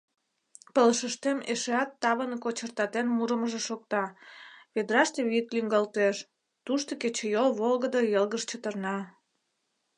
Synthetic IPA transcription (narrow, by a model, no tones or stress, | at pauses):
pələʃəʃt̪emeʃeɑt̪ːɑβənkot͡ɕərt̪ɑt̪enmuɾəməʒeʃok̚t̪ɑβed̪rɑʃt̪eβik̪lyŋɡɑlt̪eʃ | t̪uʃt̪oket͡ɕejolβolɣəd̪əjəlɣəʃt͡ɕət̪ərnɑ